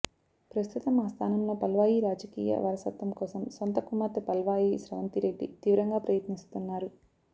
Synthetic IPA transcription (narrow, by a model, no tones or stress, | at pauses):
pɾɐst̪ʰut̪ɐmaːst̪ʰaːnɐmlo̞ːpɐlʋaːjiɾaːd͡ʒɐkiːjɐ̰ʋɐɾɐsɐ̰t̪ʋɐmkɔːsɐmsont̪ɐkumɐt̪pɐlʋaːjiʃɾɐʋɐnt̪iɾe̞ɖːḭt̪iːʋɾɐŋɡaːpɾɐjɐt̪nist̪unːaːɾu